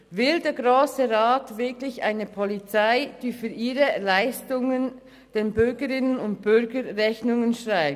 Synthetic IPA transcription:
vɪldeːɐɡʁoːsəʁaːtvɪɐklɪçʔa̰ɪnəpʰɔlit͡saɪd̥iːfyːɾiːɾəlaɪstʊŋən | d̥eːnbʏɾɡəɾɪnənʊnt̚b̥ʏɾɡəʁɛçnʊŋənʃʁaɪ

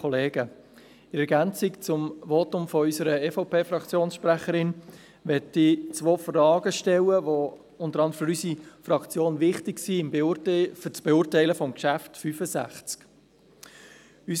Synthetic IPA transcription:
ɔleːɡə | ɪɾɛɡænt͡sɪkt͡sʊmvotʊmfɔysəɾəɛfoʊpʰeːfɾɑkt͡sjoːnsʃpɾæχəɾɪn | ʋɛtit͡sʋoːfrɑːɡ̥əʃtɛləʋo | ʊntəɾɑnd̪əɾəfəɾysifrɑkt͡sjoːnvɪχtɪksiɪmbft͡sb̥eʊːrtæɪləfɔmkʃæftfyfəzæ̰χt͡sk | ys

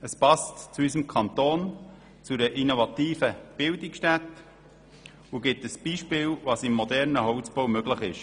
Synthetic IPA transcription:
əspɑstt͡suysəmkʰɑnt̪oːn | t͡sudəʔinovɑt̪iːfəb̥ɪldɪksʃtæt̪ | uɡɪtəsb̥iːʃpɪːlvɑːsɪmːod̪ɛɾnəɦɔʊt͡sb̥oʊmøɡləχɪʃ

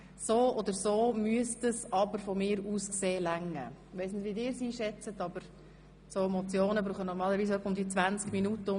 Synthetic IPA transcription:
soːʔɔd̪əɾsoːmyəstəsɑbəɾfɔmɪːɾuːskseːlæŋːəʋɛɪsnɪtʋidɪːɾsiːʃɛt͡sət̪ɑbəɾ | somɔt͡sjoːnəbɾuːχənɔɾmɑːləɾʋiːsœpʊmd̪it͡sʋænt͡skminutəʊ

